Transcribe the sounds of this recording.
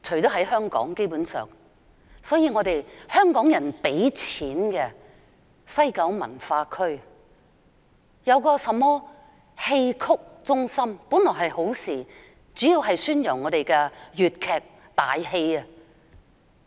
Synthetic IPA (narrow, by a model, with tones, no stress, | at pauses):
t͡ʃʰɵ˨˩t̪o˥ɦɐ˨˥jɦœː˥ŋkɔ̰ː˨˥ŋke˥jpu˨˥nsœ̰ː˨˩ŋ | sɔː˨˥jiː˧ŋɔː˨˧t̪e˨jhœː˥ŋkɔː˨˥ŋjɐ˨˩npe˨˥jt͡sʰiː˨˥nkɛ˧ | sɐ˥jkɐ˨˥wmɐ̰˨˩nfaː˧kʰɵ˥ɥ | jɐ˨˧wkɔː˧sɐ˨mːɔː˥ | he˧jkʰʊ˥k̚t͡sʊ˥ŋsɐ˥mpu˨˥nlɔː˨˩ɦɐ˨jho˨˥wsiː˨˩ | t͡syː˨˥jiː˧wɦɐ˨jsyː˥njɐ˨˩ŋːɔː˨˧t̪e˨jkɛ˧jyː˨t̚kʰɛː˨k̚ | t̪a̰ː˨jhe˧jɐ˧